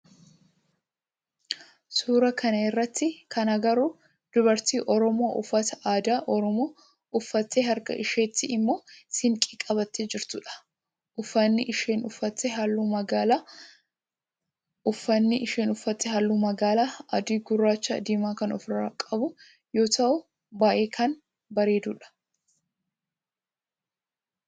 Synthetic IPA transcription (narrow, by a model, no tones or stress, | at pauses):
suːɾɐkʰɐnɐɪrːɐt̪ʰːɪkɐnɐɡɐɾʊ | d̪̥ʊβɐɾt̪iːʔɔɾɔmo̞ːʔʊfːɐt̪ɐʔaːd̪aːʔɔɾɔmoː | ʊfːɐt̪ːeɦɐɾkɐ̰ʔɪʃeːt̪ːɪɪmːoːsɪŋkʼɪkʼɐbɐt̪ːed͡ʒɪɾt̪ʊᶑɐ̥ | ʔʊfːɐnːɪʔɪʃeːnʊfːɐt̪ːɛɦɐlːuːmɐɡaːla | ʊfːɐnːɪʔɪʃeːnʊfːɐt̪ːɛɦɐlːuːmɐɡaːlaːɐ̰d̪iːɡʊrːaːt͡ʃːɐd̪ɪmaːkɐnɔfɾaːkʼɐbʊ | jo̞ːt̪ɐʔʊ | baːʔeːkʰɐn | bɐɾe̞ːd̪uːᶑɐ̥